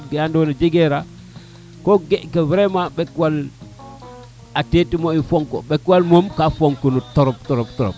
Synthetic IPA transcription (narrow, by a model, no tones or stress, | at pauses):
ɡjandonad͡ʒiɡeɾa | koɡeʔkewɾemabekwal | atetimoifoŋko̰bekwalmomkafoŋkonutoɾoptoɾoptoɾo̰p̚